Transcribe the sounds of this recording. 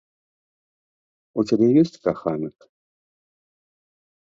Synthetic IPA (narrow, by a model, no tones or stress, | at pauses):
utʲabʲejosʲtʲkaxanɨk